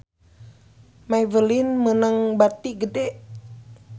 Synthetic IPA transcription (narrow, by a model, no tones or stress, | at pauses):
maivəlinmənəŋbat̪iɡədɛʔ